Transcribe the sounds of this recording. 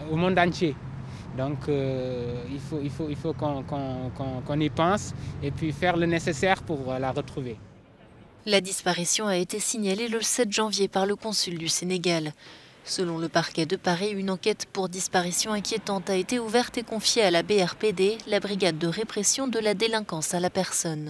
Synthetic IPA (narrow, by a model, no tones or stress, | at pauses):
omɔ̃nd̪ɑ̃t̪je | d̪ɔ̃kə | ilfoilfoilfokɔ̃kɔ̃kɔ̃kɔ̃nipɑ̃sepɥifɛʁlənesesɛʁpuʁlaʁət̪χuve | lad̪ispaʁisjɔ̃aet̪esiɲaleləsɛt̪ʒɑ̃vjepaʁləkɔ̃syld̪yseneɡal | səlɔ̃ləpaʁkʲɛd̪əpaʁiynɑ̃kɛt̪puʁd̪ispaʁisjɔ̃ɛ̃kʲjet̪ɑ̃t̪aet̪euvɛʁt̪ekɔ̃fjealabeɛʁped̪elabʁiɡʲad̪ːəʁepχesjɔ̃d̪əlad̪elɛ̃kɑ̃salapɛʁsɔn